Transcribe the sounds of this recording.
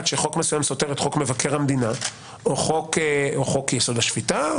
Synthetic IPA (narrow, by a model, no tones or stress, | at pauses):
tʃeχo̞kmesujamso̞teʁet̪χo̞kmevakeʁhamd̪ina | oχokoχo̞kjesod̪baʃv̥ita